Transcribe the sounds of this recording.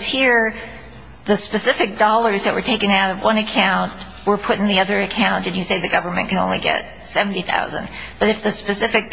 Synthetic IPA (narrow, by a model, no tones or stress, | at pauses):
z̥hiɹ | ðɨspɨsɪfɨk̚d̥ɔlˠə˞zðɨʔ̚wə̰˞tʰeɪkɨ̃ŋaʊɾʌvwʌ̃nɨkʰãʊ̃nʔ | wə˞pʰʊɾn̩ðiʌðə˞ɨkʰãʊ̃ntɨ̃njɨseɪðɨɡʌvə˞mɨ̰̃nkʰɨ̃nõʊ̃nlḭɡɛ̰t̚ | sɛvn̩tiθa̰ʊzɨ̰̃ndb̥ʌɾɨfðɨspɨsɪfɨk̚